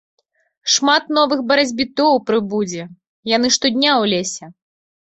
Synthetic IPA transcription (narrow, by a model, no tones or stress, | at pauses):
ʂmat̪nɔvɨxbɐɾad͡zʲbʲit̪ɔwpɾɨbud͡zʲɛ | jan̪ɨʂt̪ɔd̪ʲnʲawlʲesʲɛ